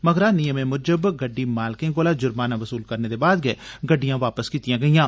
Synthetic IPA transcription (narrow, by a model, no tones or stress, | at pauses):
məɡɾaːnɪjəmẽːmʊɾd͡ʒəbɡəɖːiːmaːlkẽɡoːlaːd͡ʒʊɾmaːnãːʋəsuːlkəɾneːd̪eːbaːd̪̚ɡɛːɡəɖːijãːʋaːpəskiːt̪ijãːɡəijãː